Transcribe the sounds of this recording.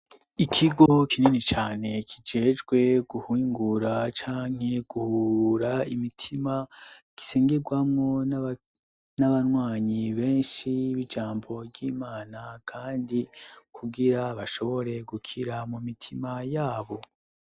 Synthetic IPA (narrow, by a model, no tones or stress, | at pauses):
ikʰiɡo̞kʰininit͡ʃaːne̞kʰid͡ʒe̞ːd͡ʒɡwe̞ɡuhuŋɡuɾat͡ʃaːŋ̥e̞ɡ̥uhuuɾaimitʰima | ɡ̥i̥seːŋɡeɡwamŋo̞n | naβanwaːɲiβe̞ːnʃiβid͡ʒaːmbo̞vɟiːmaːnakʰaːndikʰuɡiɾaβaʃo̞βo̞ɾe̞ɡukʰiɾamumitʰimajaːβo̞